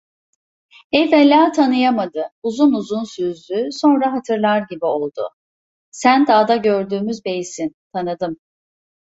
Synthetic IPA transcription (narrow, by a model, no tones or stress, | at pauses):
ɛjvɛlʲːaːt̪ʰanɯjamad̪ɯuzunuzunsyzd̪yso̞nɾaɦat̪ʰɯɾlˠaɾɟibio̞lˠd̪ʊ̰ | sænd̪aːd̪aɟøɾd̪yːmyzbe̞jisint̪ʰanɯd̪ɯm